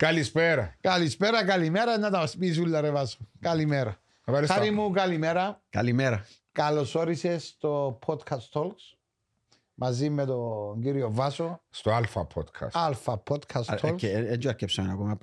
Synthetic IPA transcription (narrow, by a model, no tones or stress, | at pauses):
kalispeɾakalispeɾɐkalimeɾɐnːɐt̪ɐɐspis̬ulːɐɾevasokalimeɾɐ | asaɾimukalimeɾɐka̰limeɾɐ | kalosoɾisest̪opʰod̪kʰɐst̪ʰolks | mɐzimːet̪oŋɡiɾiovasost̪oalfɐ̰pʰo̰d̪kʰɐ̰salfɐpʰod̪kʰast̪ʰoled͡ʒoakːepsamenakomɐ